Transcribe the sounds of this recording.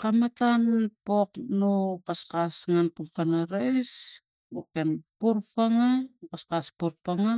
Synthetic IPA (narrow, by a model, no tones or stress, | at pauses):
kamatanpoknukaskasŋanpumkanaɾajs | ukenpuɾpaŋakaskaspuɾpaŋa